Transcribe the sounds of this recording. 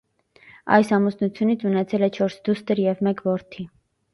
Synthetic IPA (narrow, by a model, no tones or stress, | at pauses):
ɑ̰jsɑmusnut͡sʰjunit͡sʰunɛt͡sʰɛlɛt͡ʃʰɔɾsd̪ust̪əɾjɛvmɛkvɔɾt̪ʰi